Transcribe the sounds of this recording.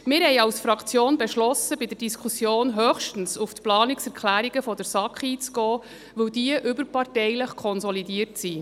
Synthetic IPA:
mɪːɾhɛɪɑwsfɾɑkʰt͡sjoːnbɛʃlɔsəbɪd̥ərdiskʰusjoːnɦøχʃtən̩suftplɑːniksɛɾkʰlæːɾiɡəfɔdəɾsɑkχiːt͡sɡ̥ɔː | ʋɵwdiəʔʏbəɾpɑrtɛjləχkʰɔnsɔlidiːəɾtsi

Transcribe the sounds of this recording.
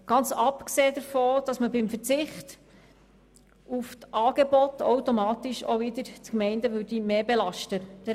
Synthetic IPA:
ɡ̥ɑnt͡sɑpkseːd̥̪əɾfoːd̥ɑsməbɪmfət͡sɪχt | uftʔɑːɡ̥ebɔt̪owtomɑːt̪iʃo̰ʋɪd̪əɾt͡skmɛɪndəʋʉɾd̥imeːbelɑʃtəd̥̪ə

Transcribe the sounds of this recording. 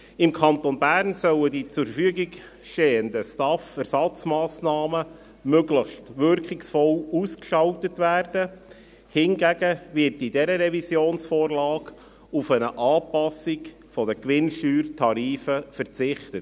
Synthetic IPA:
ɪmkʰɑnt̪onbæːrnsœwədit͡sʊfəfyəɡɪɡ | ʃteːəndəstɑfæɾsɑt͡smɑːsnɑːmə | møɡləxstʋʏɾkχɪksfɔluskʃɑltətʋæːrd̥ə | hɪnɡæɡəvɪɾtɪdɛɾəɾɛvisjoːnsfoːɾlɑːɡ | ufənəʔɑːpɑsɪk | fɔd̥əkʋɪnʃyːrtʰɑɾiːfəfəɾt͡sɪχtət

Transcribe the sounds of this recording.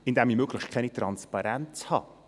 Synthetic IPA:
ɪndɛmimøɡ̥lɪʃkʰɛnit̪ɾɑnspɑɾɛnt͡shɑ̰ː

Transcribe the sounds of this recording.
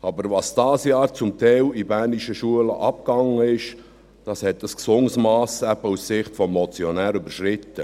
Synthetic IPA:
ɑbəɾʋɑsd̥ɑːsjɑːɾt͡sʊmt̪ɛɪlibærniʃəʃuələ̰ʔɑp̚kɑŋːəɪʃ | d̥ɑshɛt̚d̥əsksʊŋsmɑːsæbəusːɪχtfɔmːɔt͡siɔnæːɾybəɾʃɾɪt̪ːə

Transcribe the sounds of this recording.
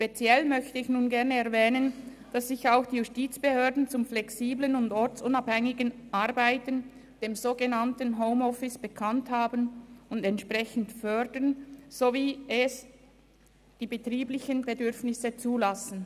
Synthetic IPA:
ʃpet͡sjɛlmœçtəɪçnuːnɡɛʁnəɛɐʁvɛːnən | d̥asːɪçaʊxd̥iːjustiːt͡sb̥əhøːɐdn̩t͡sʊmflɛksiːblənʊndɔɾt͡sʊnaphɛŋɪɡənʔaɐbaɪtən | d̥eːmzoːɡənantən̩ɦoʊmɔfɪsb̥əkʰanthaːbənʊndɛntʃpʁɛçən̩tfœʁdənz̥oviːɛs | d̥iːbətʁiːblɪçənbedʏɾfnɪsət͡suːlasn̩

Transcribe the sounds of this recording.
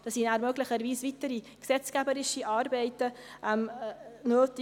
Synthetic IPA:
d̪̥ɑsinæːɾmœɡlɪçəɾviːsvitəɾi | ksɛt͡skæbəɾɪʃiʔɑːɾbɛɪtəʔɛmnøːtɪ

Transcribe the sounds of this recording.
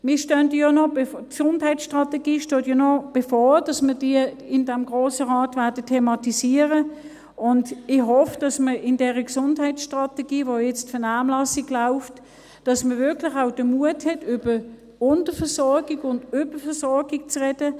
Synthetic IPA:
mɪːɐʃtœndəjɔnɔksʊndhaɪt͡sʃtʁɑteɡiːʃtoːtjɔnɔb̥efɔːd̥ɑsməɐd̥i | ɪndɛmɡʁoːsəʁaːtvɛɐdətʰemɑtisiəʁə | ʔʊndɪhɔfd̥ɑsməɪndɛːʁəksʊndhaɪt͡sʃtʁɑteɡiːvojɛt͡stfɛɐnaːmlɑsiɡlaʊft | d̥ɑsməvɪɐklɪχaʊd̥əmuəthɛtʰʏbə | ʊntəfɛɐsɔɐɡiɡʊndʏbəfɛsɔʁɡɪɡ̥̚t͡sʁɛd̥ə

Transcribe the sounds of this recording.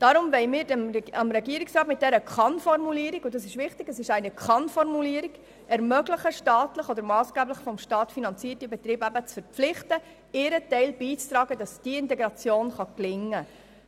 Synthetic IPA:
d̥ɑɾʊmvɛɪmɪːɾdmɑmɾɛɡiəɾɪksrɑːtmɪt̚d̥ɛɾəkχɑnfɔrmuliːəɾiɡʊdɑsɪʃʋɪχtɪɡ̥əsɪʃæɪnəkʰχɑnfɔrmuliːɾiɡ | ɛɾmœɡləχəʃtɑːtləχɔd̪əɾmɑːsɡ̥æːbləχfɔmʃtɑːtfinɑnt͡siːərtibɛt̪ɾiːbæbət͡sfəɾpp͡flɪχtə | ɪɾətɛɪlbiːt͡st̪ɾɑːɡədɑsd̥iɪntɛɡɾɑt͡sjoːnχɑklɪŋːə

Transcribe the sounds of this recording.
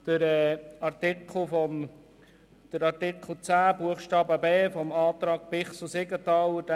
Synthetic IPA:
d̪̥əɾɛːɑrtɪkχl̩fɔm | d̥əɾɑɾtɪkʰl̩ˠt͡sæːbuəχʃtɑːbəbeːfɔmɑːt̪ɾɑːɡ̥̚pɪχsusɪɡət̪ɑwd̥

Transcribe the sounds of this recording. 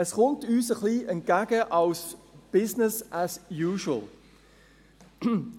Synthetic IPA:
ɛsχʊntyːsəχliːʔɛnt̚ɡ̥æɡ̥əʔɑlsb̥ɪsnɪsʔasjuːʃuəl

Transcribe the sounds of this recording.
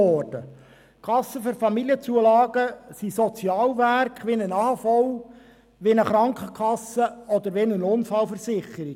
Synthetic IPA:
ɔːrd̥ə | kʰɑsːəføɾfɑmiljət͡suəlɑːɡ̥əsisɔt͡sjɑːlʋærkχʋinənɑːfɔw | ʋenəχɾɑŋkχəkʰɑsəɔd̪əɾʋɛnənʊnfɑlfəɾsɪχəɾi

